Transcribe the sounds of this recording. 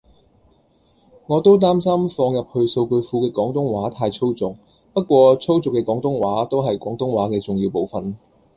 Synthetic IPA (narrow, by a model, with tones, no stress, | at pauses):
ŋɔː˨˧t̪o˥wt̪̬aː˥msɐ˥mfɔː˧ŋjɐ˨p̚hɵ˧ɥso˧wkɵ˧ɥfuː˧kɛː˧kɔː˨˥ŋt̪ʊ˥ŋwaː˨˥t̪ʰaː˧jt͡sʰo˥wt͡sʊ˨k̚ | pɐ˥t̚kʷɔː˧t͡sʰo˥wt͡sʊ˨kːɛː˧kɔː˨˥ŋt̪ʊ˥ŋwaː˨˥t̪o˥wɦɐ˨jkʷɔː˨˥ŋt̪ʊ˥ŋwaː˨˥kɛː˧t͡sʊ˨ŋjiː˧wpo˨wfɐ˨n